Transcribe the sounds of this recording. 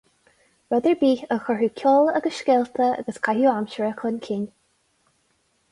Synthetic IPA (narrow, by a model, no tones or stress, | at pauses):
ɹɛd̪əɹbiːəxɔɹukʲʰɔːləɡəsʃkɛlt̪ʰəa̰ɡəskʰahjuːamʃəɹəkʰlənkʰɪn